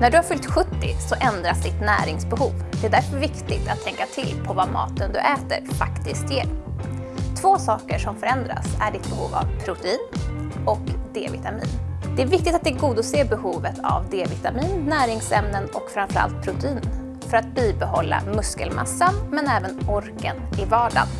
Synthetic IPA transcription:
næɖɵhaɾfʏlt̪ɧɵt̪ːɪsɔʔɛnd̪ɾasd̪ɪt̪næːɾɪŋsbɛhuːvd̪ɛd̪æɾfœɾvɪkt̪ɪɡ̚t̪at̪ʰːɛŋkat̪ʰɪlpʰɔvamɑ̰ːt̪ənd̪ɵ̰ʔɛːt̪ə̰ɾfakt̪ɪskt̪jeːɾ | t̪ʰvoːsɑːkəʂɔmfœɾɛnd̪ɾa̰sæɖɪt̪̚bɛhṵːva̰vpʰɾʊt̪ɛiːnɔkd̪ḛːvɪ̰t̪amḭːnd̪ɛæɾvɪk̚t̪ɪt̪at̪̚d̪ɛɾɡuːd̪ɔseːbɛhuːvət̪ʰa̰vd̪eːvɪt̪amiːnːæːɾɪŋsɛmnənɔkfɾamfœɾa̰lt̪̚pʰɾʊt̪ɛiːn | fœɾat̪̚biːbɛɦɔlːa̰mɵskəlmʔa̰sːanmɛnɛːvənɔɾkənɪvɑːɖa̰n

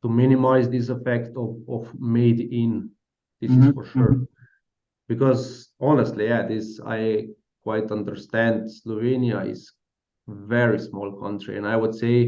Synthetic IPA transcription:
tumɪ̃nɪmaɪzðis̬ɛfɛk̚tɔvɔvmeɪdɪ̃n | ð̥ɪsɪz̥fəɹʃuɹ | b̥ikɔzɔnəstlijæðɪsa̰ɪ | kʰwaɪtʌ̃ndə˞st̪æ̃ndslɔviniaɪ̰z̥ | vɛɹismɔlˠkʰʌ̃ntɹḭɛ̰̃naɪwʊdseɪ

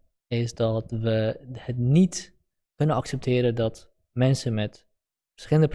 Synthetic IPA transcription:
ɪsdɔtʋəhətnit | kɵnənɑksɛp̚tʰɪːɾədɔt | mɛnsəmɛt | fəsχɪlˠəndəp

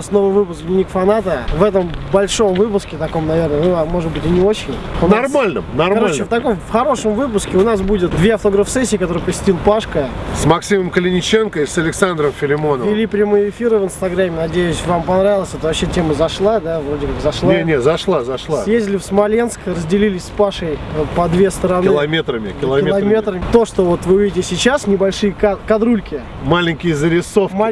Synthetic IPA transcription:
sno̞vəjvɨpʊsknʲɪnʲikfɐnat̪əvɛt̪əmbɐlʲʂo̞mvɨpʊskʲɪt̪ɐko̞mnɐvʲe̞rnənumːo̞ʐɨd̪bɨtʲɪnʲɪo̞t͡ɕːɪnʲʊnrmalʲnə̰mnɐrɐɾot͡ɕ̪ːɪft̪ɐko̞mfxɐɾo̞ʂəmvɨp̬ʊskʲɪʊnas̬budʲɪt̪̚d̪vʲeɐft̪oɡɾəfsɛsʲːiːkɐt̪o̞ɾɨjpəsʲɪ̥tʲilˠpaʂkəsmɐksʲiməmkəlʲɪnʲɪt͡ɕe̞nkəisɐlʲɪksand̪ɾəmfʲɪlʲɪmo̞nəvʲɪlʲipɾʲɪmojɪfʲiɾəvɨnst̪ɐɡɾamʲːɪnɐdʲejʊsʲvampɐnɾavʲɪlˠəsʲɛt̪əvɐpɕetʲe̞məzɐʂlˠad̪avɾo̞dʲɪkakzɐʂlˠaenʲet̪zɐʂlˠazɐʂlˠsajezʲdʲɪlʲɪfsmɐlʲe̞nskrəzʲdʲɪlʲilʲɪsʲspaʂəjpɐd̪vʲe̞st̪əɾɐnɪlˠɐmʲet̪ɾəmʲɪkkʲɪllˠɐeɐmʲet̪ɾəɪt̪o̞ʂt̪o̞vo̞t̪vɨʊvʲidʲɪtʲɪsʲɪt͡ɕasnʲɪbɐlʲʂɨjəkakɐd̪ɾulʲkʲɪ | malʲɪnʲkʲɪjzəɾʲɪso̞fma

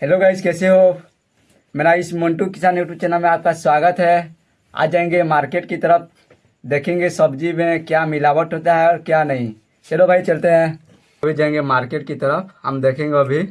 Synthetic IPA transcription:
ɦɛloɡʱaɪskɛːseɦo | mɛːɾaɪsmə̃ɳʈukɪsaːnuʈut͡ʃenamẽaːp̚kaswaːɡət̪ɦɛ | a̰ːd͡ʒaːẽŋɡemaːɾkeːʈkit̪əɾəp̚ʰ | d̪eːkʰẽːŋɡesɐbd͡ʒimẽkjamɪlaːʋət̪ɦoːt̪aɦɛɔːɾkjanɐɦĩ | ɦɛːlobʱaːit͡ʃɐlt̪eɦɛ̃ː | ɐbʱid͡ʒãẽŋɡemaːɾkeːʈ̚kit̪əɾəpʰɦə̰md̪eːkʰẽːŋɡobʱi

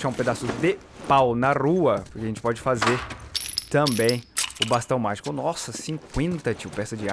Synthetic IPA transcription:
ʃaũped̪asʊd̪ɪ | pawnɐʁuɐpʊɾkeɐʒẽnt͡ʃɪ̥pɔd͡ʒɪfazeɾt̪ɐ̃bẽj̃ʊbast̪ɐ̃w̃maʒikʊnɔsɐsĩŋkwẽnt̪ɐt͡ʃiwpɛsɐd͡ʒɪa

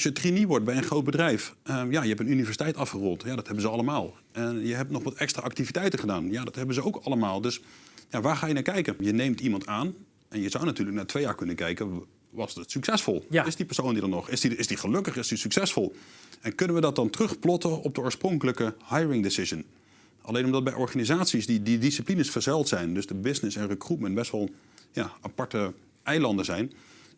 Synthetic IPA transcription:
sjətriniʋɔɹt̚bɛjənχrowt̚bədrɛjfəjajəɛpənynivɛɹsitɛjtɑfχərɔntjadɔthɛbənzəɑləmaːlˠ | ɛnjəɦɛp̚tnɔχʋɑtʰɛkstra̰ʔɑk̚tivitɛjtəχədaːnjadɑtɦɛbənzəowkɑləmaːlˠdɵsjaʋaːɹχaːjənaːkɛjkənjənejmtimɑntaːn | ʔɛnjəzawnatyːləknaːtʋejaːɹkɵnənkɛjkə | ʋɑsətsyksɛsfɔ̰lˠɪsdipəɹsowndidɔnɔχɪsdiɪsdiχəløkəχɪsdisyksɛsfɔlˠɛnkɵnənʋədɔt̚dɑntrɵχplɔtəɔp̚dəoːɹsproŋkələkəhajɹɪŋdɪsɪzən | ʔa̰lejnɔmdɑt̚bɛjʔɔɹχaːnizaːtsisdididisiplinəsfəɹzɛlˠtsɛjndøzdəbɪznɪsɛnrəkrupməntbɛstʋɔlˠ | jaapɑɹtə | ʔɛjlɑndəzɛjn

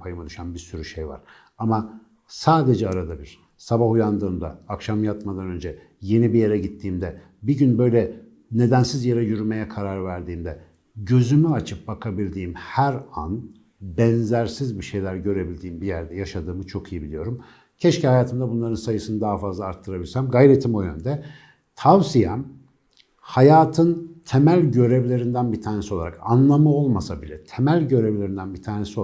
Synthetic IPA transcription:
pʰajɯmad̪yʃanbiɾsyɾyʃejva̰ɾ̥ | ama | saːd̪e̞d͡ʒɛaɾad̪abiɾ̥ | sabahujand̪ɯːmd̪aːkʃamjat̪mad̪anø̞nd͡ʒɛ | je̞nibije̞ɾɛɟit̪ʰːiːmd̪ɛ | biɟynbø̞jlʲɛ | ne̞d̪ænsizjeɾɛjyɾyme̞jɛkʰaɾaɾvæɾd̪iːmd̪ɛ | ɟø̞zymyat͡ʃʰɯp̚bakʰabilʲd̪iːmhæɾan | bɛnzæɾsizbiʃe̞jlʲæɾɟø̞ɾe̞bilʲd̪iːmbijæɾd̪ɛjaʃad̪ɯːmɯt͡ʃʰo̞kʰijibilʲijo̞ɾum | cʰɛʃcihajaːt̪ʰɯmd̪abunlˠaɾɯnsajɯsɯnɯd̪aɦafazlˠaːɾt̪ʰːɯɾabilʲsæmɡajɾet̪ʰimojø̞nd̪ɛ | t̪ʰavsijɛm | hajaːt̪ʰɯnt̪ʰe̞mælʲɟø̞ɾe̞vlʲe̞ɾind̪ænbit̪ʰaːnesio̞lˠaɾa̰kanlˠamɯo̞lˠmasabilʲɛt̪ʰemælʲɟø̞ɾevlʲeɾind̪ænbit̪ʰaːne̞sio

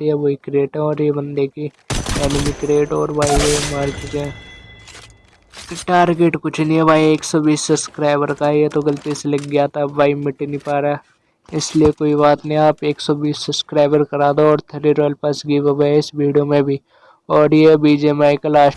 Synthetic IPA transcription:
iɛboikɾeːʈɦɛ̃ɔːɾjebɐ̃nd̪eki | ɛːnmikɾeːʈɔːɾbaːiʋemaːɾt͡ʃɪkɛ̃ː | ʈaːɾɡeːʈkʊt͡ʃʰnĩɛbʱaːieːksɔbiːsːɐpskɾaːɪbəɾkajet̪oɡɐlt̪iselɐɡːɪjat̪abaːimɪʈːinĩpaːɾa | ɪsliekoːibaːt̪nəĩaːpeːksɔbiːsːɐpskɾaːɪbəɾkɐɾaːd̪oɔːɾt̪ʰɐɾiɾoːlpɐsɡiʋɐbaɪsbiːɖijomẽbʱi | ɔːɾjebiːd͡ʒemaːɪklaː

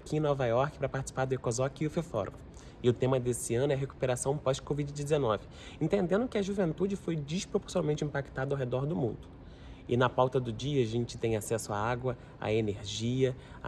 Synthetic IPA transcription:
kiẽnɔvajɔɾkɪpɾɐpaɾt͡ʃɪ̥si̥paɾd̪ʊekozɔkɪʊfefɔɾ̰ | ɪʊt̪ẽmɐd̪esɪɐ̃nʊɛɦeku̥peɾasɐ̃w̃pɔʃkovid͡ʒɪd͡ʒɪzenɔvɪ | ẽnt̪ẽnd̪ẽd̪ʊkɪɐʒuvẽnt̪ud͡ʒɪfojd͡ʒiʃpɾopoɾsjonawmẽnt͡ʃĩpakt̪ad̪ɐawɦed̪ɔɾd̪ʊmṵ̃nd̪ʊ | ɪnɐpawt̪ɐd̪ʊd͡ʒiɐːʒẽnt͡ʃɪ̥t̪ẽj̃asɛsʊaaɡwɐ | a̰eneɾʒiɐ

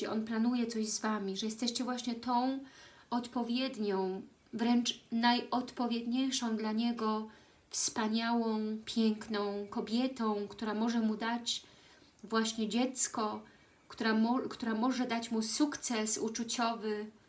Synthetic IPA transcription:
ɛʔɔnplanujɛt̪sɔʑzvamʲiʐɛjɛst̪ɛɕt͡ɕɛvwaɕɲɛt̪ɔ̃w̃ | ʔɔt̪pɔvʲjɛd̪ɲɔ̃w̃ | vɾɛnt͡ʂnajɔt̪pɔvʲjed̪ɲejʂɔ̃w̃d̪laɲɛɡɔ | fspaɲawɔ̃w̃pʲjɛŋknɔ̃w̃kɔbʲjɛt̪ɔ̃w̃kt̪uɾamɔʐɛmud̪at͡ɕ | vwaɕɲɛd͡ʑɛt̪skɔ | kt̪uɾamɔkt̪uɾamɔʐɛd̪at͡ɕmusukt̪sɛsut͡ʂut͡ɕɔvɘ

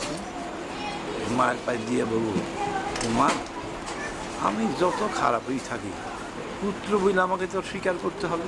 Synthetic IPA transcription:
majɾpajd̪iebobut̪omaɾ | a̰mid͡ʑɔt̪okʰa̰ɾa̰pɦojt̪ʰakḭ | put̪ːɾobʱujlamaket̪ɔʃikaɾkoɾt̪eɦɔbe

